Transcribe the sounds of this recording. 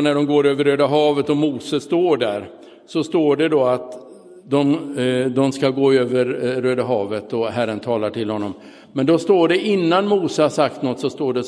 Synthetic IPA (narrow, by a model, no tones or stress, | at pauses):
næɖɔmɡoːɾøːvəɾøːd̪aɦɑːvət̪ɔmuːsəst̪oːɖæɾ | sɔst̪oːɖɛd̪ɔat̪ | d̪ɔmd̪ɔmskaɡoːøːvəɾːøːd̪aɦɑːvət̪ɔɦæɾənt̪ʰɑːlaʈɪlhɔnːɔm | mɛnd̪ɔst̪oːɖɛʔɪnːanmuːsəhasak̚t̪nɔt̪ːsɔst̪oːɖɛ